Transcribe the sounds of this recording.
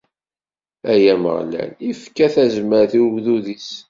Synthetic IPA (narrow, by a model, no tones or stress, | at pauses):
æjæmə̰ʁlæ̰nifkːæθæzməɾθiɡðuðis